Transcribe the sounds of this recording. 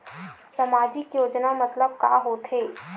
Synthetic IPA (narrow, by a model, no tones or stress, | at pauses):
sɐmaːd͡ʒɪkjoːd͡ʒnamɐt̪ləb̚ka̰ːɦoːt̪ʰɦeː